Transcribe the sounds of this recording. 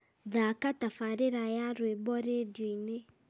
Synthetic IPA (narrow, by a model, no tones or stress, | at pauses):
ðakatafaɾeɾajaɾwebɔɾedjɔine